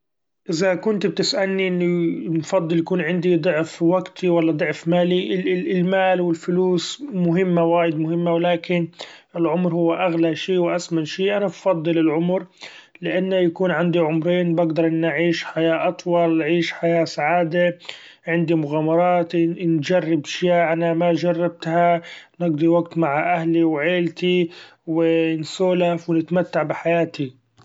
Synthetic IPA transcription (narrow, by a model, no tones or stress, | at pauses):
ʔɪzakʊnt̪b̚t̪ɪsʔalniʔɪnːinfɑd̪ˤːɨljakuːnʕɪnd̪id̪ˤʊʕfwaɡt̪ʰiwalːɑd̪ˤʊʕfmaːliʔɪɪlmaːlwɪlfʊluːsmʊɦɪmːawaːjɪd̪mʊhɪmːawlaːkɪnɪlʕʊmɾhʊwːaʔaɣlaʃiːwʔasmanʃiːʔanabfɑd̪ˤːɨlɪlʕʊmɾlɪʔanːajakuːnʕand̪iʕʊmɾiːnbɪɡd̪ɑɾˤʔɪnːʔaʕiːʃħajaːʔɑt̪ˤwɑlʕiːʃħajaːsaʕaːd̪a | ʕɪnd̪imʊɣaːmɑɾˤɑːt̪nd͡ʒarːɪbʃjaːʔanamad͡ʒɑrˤːɑb̚t̪hanɪɡd̪iwaɡt̪maʕʔahliwʕeːlt̪iwɪnsuːlafwɪnɪt̪mat̪ːaʕbɪħajaːt̪i